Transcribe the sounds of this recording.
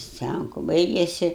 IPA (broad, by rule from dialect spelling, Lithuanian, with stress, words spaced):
ˈsʲt͡sʲæŋkʊ ˈbɐɪɡʲeːsʲɪ